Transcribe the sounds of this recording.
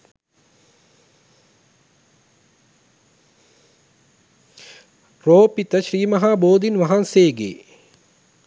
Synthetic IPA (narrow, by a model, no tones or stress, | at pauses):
roːpit̪əʃɾiːmɐɦaːboːd̪inʋɐɦanseːɡḛː